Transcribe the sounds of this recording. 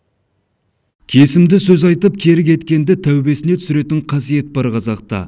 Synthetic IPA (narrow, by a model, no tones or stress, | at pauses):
kʲʰe̞sɪmd̪ɪsɵzɑjt̪əp̚kʲʰe̞ɾɪk̬ʲe̞t̪kʲe̞nd̪ɪt̪ʰæwbe̞sɪnet̪ʰʏ̥sɪɾe̞t̪ɪɴqʰɑsije̞t̪̚bɑɾqʰɑzɑq̚t̪ɑ̰